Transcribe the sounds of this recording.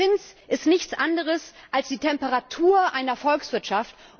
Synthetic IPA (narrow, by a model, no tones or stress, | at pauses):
ɪnsʔɪstnɪçt͡sʔandəʁ̞əsʔalsd̥iːtʰɛmpəʁatʰuːɐʔaɪnɐfɔlksv̥ɪɐtʃaft